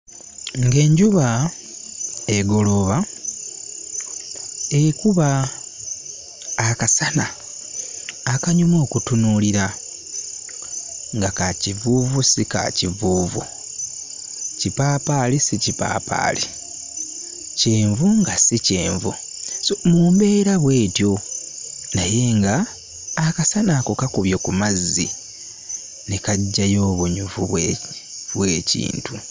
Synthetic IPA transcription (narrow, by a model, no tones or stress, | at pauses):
ŋɡe̞ːɲɟuβa | eɡo̞lo̞βa | ekuβa | kasana | kaɲumo̞ːkutunuːliɾa | ŋɡakacivuːvusika̰civuːvṵ | cipaːpalisicipa̰ːpa̰ːli | ceːɱvuŋɡasice̞ːɱvu | somuːmbe̞ːɾaβwe̞ːtjo̞ | naje̞ŋɡaː | kasanakokakuβjo̞kumazːi | nekaɟːajo̞ːβuɲuvuβw | βwe̞ːcḭːntu